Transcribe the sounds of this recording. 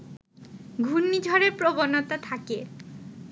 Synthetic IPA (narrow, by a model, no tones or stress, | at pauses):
ɡʱunːid͡ʑʱɔɾeɾpɾobonot̪at̪ʰake